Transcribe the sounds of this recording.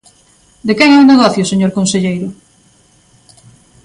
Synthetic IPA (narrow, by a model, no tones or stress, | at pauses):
d̪ekɛŋɛũneɣ̞ɔθjoseɲoɾkonseʎejɾʊ